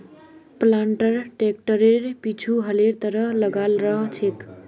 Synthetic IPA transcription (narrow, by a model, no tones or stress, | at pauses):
plaɳʈəɾʈek̚ʈəɾeɾpit͡ʃʰuɦəleɾt̪ʌɾʌɦlʌɡalɾʌɦt͡ʃʰet̪